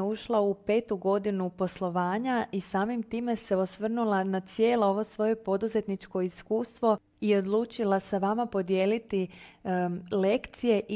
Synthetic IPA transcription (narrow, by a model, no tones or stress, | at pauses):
uʃlˠaupe̞ːt̪uɡo̞d̪inupo̞slˠo̞ʋaːɲaʔisaːmimt̪iːme̞se̞osʋr̩nulanat̪sje̞ːlooʋo̞sʋo̞je̞po̞d̪uze̞t̪nit͡ʃko̞iskuːst̪ʋo̞ | io̞d̪lˠuːt͡ʃilasaʋamapo̞d̪je̞ːlit̪i | le̞kt̪sije̞ʔ